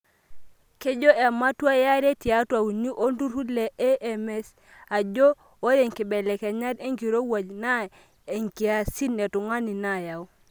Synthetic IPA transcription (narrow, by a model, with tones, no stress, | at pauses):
ke˦d͡ʒo˦ʔɛ˨ma˦twa˦ja˦ɾe˦ti˨a˦twa˨wu˨ɲu˦ʔo˦n˦du˦ɾu˦le˨e˦ʔɛ˨mɛ˦s | a˨d͡ʒo˦ | o˦ɾe˦˨ŋki˨bɛ˨lɛ˨kɛ˨ɲa˦de˦ŋki˨ɾo˦wa˨d͡ʒna˦ | e˨ŋki˨a˨si˦nɛ˨tu˨ŋa˦ni˨na˨ja˨u˦